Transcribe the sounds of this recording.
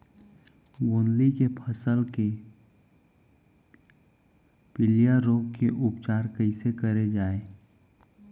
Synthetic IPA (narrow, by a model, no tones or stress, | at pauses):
ɡʊ̃nlikepʰəsəlke | pɪlijaɾoːɡkeʔʊpt͡ʃaːɾkəɪsekəɾed͡ʒaːeː